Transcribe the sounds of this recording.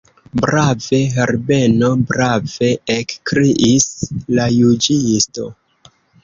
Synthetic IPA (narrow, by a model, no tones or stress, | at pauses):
bɾave̞ɦeɾbe̞no̞bɾave̞ekkɾiʔislajud͡ʒiisto̞̰